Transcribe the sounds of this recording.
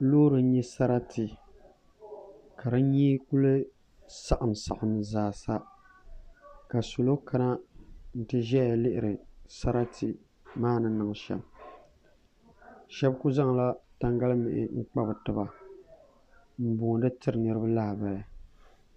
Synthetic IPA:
loː˦ɾɨ˨n˦ɲɛ˦sa˦ɾa˦tʰi˨ | ka˨ɾɨ˦ɲi˦ku˦lɨ˦ | sa˦˨ʔa˨msa̰˨ʔʊ˨nɨ˨zaː˨sa˦ | ka˨su˨lo˦kʰa˦na˦n̩˦˨tɨ˦ʒɛ˦a˨lɪ˦ʔɪ˨ɾɨ˨sa˦ɾa˦tʰi˨ | maː˦nɨ˦nɨ˨ŋ˨ʃɛ̰˨b | ʃɛ˦bku˦za˦ŋla˦ta˦ŋɡa˦lɨ˦mɪ̰˨ʔɪ̰˨ŋ͡m̩˦k͡pa˦bɨ˨tɨ˨ba˨ | m̩˨boː˨dɨ˦tɨ˦ɾɨ˨nɨ˦ɾɨ˦ba˦la˦hba˨ja˨

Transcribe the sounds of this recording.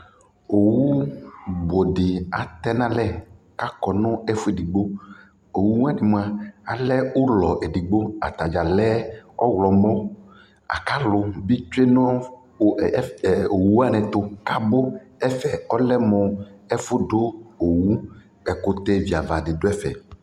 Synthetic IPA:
o˨wu˦bo˨ɖɪ˨a̰˨t̪ɛ˦nã˦lɛ˦ | ka˦kɔ˨nɔ̃˦ɛ˦fo˦e˨di˨ɡ͡bo˦ | o˨wu˦m˦a˦ni˨mũ˦a˦a˨lɛ˦o˦lɔ˨ʔe˨di˨ɡ͡bo˦a̰˨t̪a˨d͡ʒa˨lɛ˦ɔ̰˦wlɔ˨mɔ̃˦ | a̰˨ka˦lʊ˨bi˦t͡ʃu˦e˦nɔ̃˦˨ | o˨wu˨˦a˦˨nɛ̃˨t̪o˦ka˦bo˦ɛ˦fɛ˨ɔ˦lɛ˦mɔ̃˨ɛ˦fʊ˦ɖo˦o˨wu˦ | ɛ˨kʊ˦t̪ɛ˦vi˨a˨va˨dɪ˨do˦ɛ˦fɛ̰˨

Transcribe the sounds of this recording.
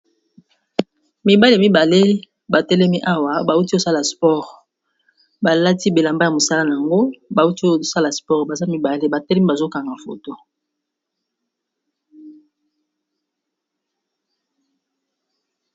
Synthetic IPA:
mi˨ba˦li˨a˨mi˦ba˨le˦ | ba˨tɛ˦lɛ˦mi˦ʔa˦wa˨ba˨u˦ti˦o˦sa˦la˨spɔ˦˨ʁ | ba˨la˦ti˦be˨la˨mba˦ja˨mo˨sa˦la˦na˨a˨ŋɡo˦ba˨u˦ti˦o˦˨sa˦la˨spɔ˦ʁba˨za˦mi˦ba˨le˦ba˨tɛ˦lɛ˦mi˦ba˨zo˦ka˨ŋɡa˨fo̰˨to˦

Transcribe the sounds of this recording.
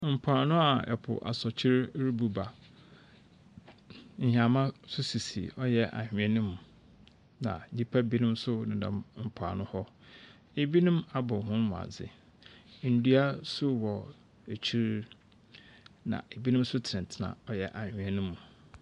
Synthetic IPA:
m̩˨pʰʊ˨a˨nʊ̃˦a˨ɛ̰˨pʰʊ̰˨ʔa̰˨sɔ˨t͡ɕʰɪ˦ɾɾi˦bu˨ba˨ | ɲ̩˨ha˨mã˦sʊ˦si˨si˨ɔ˦jɛ˦ʔa̰˨hᶣɪ̃˨˦ɛ˦nũ˦m̃˨ | nã̰˨ɲi˦pʰa˦bi˦nʊ̃˦msʊ˦nɪ̃˨nã̰˨mm̩˨pʰa̰˨nʊ̃˦hɔ˦ | e˨bi˦nũ˦ma˦bɔ˨hʊ̃˦nmʊ̃˨a̰˨d͡zɪ̰˨ | n̩˨du˦a˦sʊ˦wɔ˨ | e˨t͡ɕʰi˦ɾ | nã̰˨e˨bi˦nʊ̃˦m˦sʊ˦tʰɪ˨nɪ̃˨n˨tʰɪ˨nã̰˨ɔ˦jɛ˨ʔa˨hᶣɪ̃˨ɛ˦nũ˦mũ˨

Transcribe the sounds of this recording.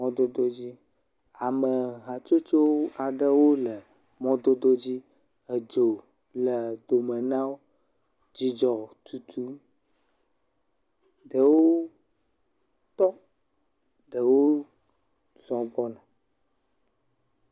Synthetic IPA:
mɔ̃˦d̪o˦d̪o˦d͡ʑi˦ | a˨mə˨ɦa˨t͡ʃo˦t͡ʃo˦wo˦a˨ɖə˦wo˦lə˨ | mɔ̃˦d̪o˦d̪o˦d͡ʑi˦ | ə˨d͡ʒo˨ | lə˨d̪o˨mə˨nã˦wo˦ | d͡ʑi˦d͡ʒɔ˨t̪u˨t̪ʰu˦ | ɖə˨wo˦ | t̪ɔ˦ | ɖə˨wo˦ | zɔ̃˨bɔ˦nã˨

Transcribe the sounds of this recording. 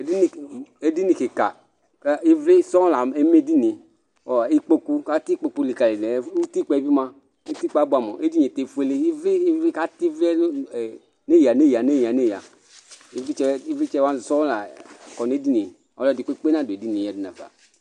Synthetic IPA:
e˨di˦ni˨e˦di˦ni˨ke˨ka̰˨ | ka˦i˦vɾi˦sɔ˦la˨e˦me˦di˦ni˨ | ɔ˨i˦k͡po˦ku˦ka˦ti˦k͡po˧ku˧li˨ka˨le˨lɛ˨˦u˦ti˦k͡pɛ˦˧˦bi˦ma˧˦ | ti˦k͡pa˨˦ba˨mɔ̰˨ʔe˦di˦ɲe˨te˨fe˧le˦i˦vi˦vɾi˦ka˦ti˦ve˦˨ | ne˦˨ja˨ne˦˨ja˨ne˦˨ja˨ne˦˨ja̰˨ | i˦vi˦t͡ʃɛ˧i˦vi˦t͡ʃɛ˦wa˦˨sɔ˦la˨kɔ˨ne˦di˦ni˨ | ɔ̰˦lɔ˦˨di˨k͡pe˦k͡pe˦na˦˨do˨e˨di˦ni˨a˨di˦na˨va̰˨

